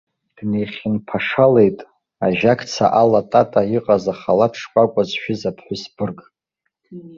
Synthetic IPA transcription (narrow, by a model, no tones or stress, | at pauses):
d̥nejχʲɪnpʰaʂale̞jtʼ | aʒakʰʼt͡sʰa̰ʔalatʼatʼaiqʼazaχalatʰʂkʷʼakʷʼazʃᶣɪzapʰħʷʊsb̥ɨrkʼ